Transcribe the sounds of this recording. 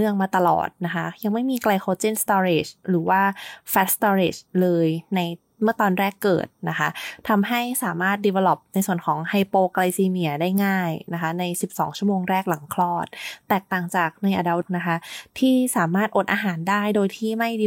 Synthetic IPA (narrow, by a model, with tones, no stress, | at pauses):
nɯ˥˩əŋmaː˧t̪a˧lɔ̰ː˨˩t̪̚na˦˥kʰa˦˥ja˧ŋma˥˩jmiː˧kla˧jxʰo˦˥t͡ɕi˥˨nst̪ɔː˧ɾe˨˩t͡ɕɾɯː˩˦waː˥˩fɛ˦˥t̪̚st̪ɔː˧ɾi˨˩t͡ɕlɤː˧jna˧j | mɯ˥˩ɐt̪ɔː˧nɾɛː˥˩kːɤ̰ː˨˩t̪̚na˦˥kʰa˦˥t̪ʰa˧mɦa˥˩jsaː˩˦maː˥˩t̪̚di˧we˧lɔ˨˩p̚na˧jsu˨˩ənkʰɔː˩˦ŋha˧jpoː˧kla˧jsiː˧mi˧˩ɐdaː˥˩jŋaː˥˩jna˦˥kʰa˦˥na˧jsi˨˩p̚sɔː˩˦ŋt͡ɕʰu˥˩əmoː˧ŋɾɛː˥˩k̚la˨˦ŋkʰlɔː˥˩t̪̚ːɛː˨˩k̚t̪aː˨˩ŋt͡ɕaː˨˩k̚na˧jʔaː˧da˦˧˥wna˦˥kʰa˦˥t̪ʰiː˥˩saː˩˦maː˥˩t̪̚ʔo˨˩t̪ʔaː˧ɦaː˩˦ndaː˥˩jdoː˧jt̪ʰiː˥˩ma˥˩j